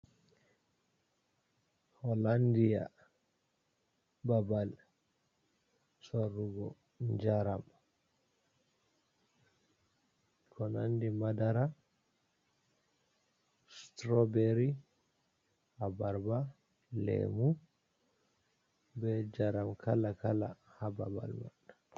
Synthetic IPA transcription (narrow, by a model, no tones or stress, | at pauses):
hɔlandija̰ | babal | sorːuɡɔ | ɲd͡ʒaɾam | kʰɔnandimadaɾa | stɾɔbeɾi | abaɾba | lḛmu | bɛd͡ʒaɾamkʰalakala̰haba̰ba̰lma̰ɗa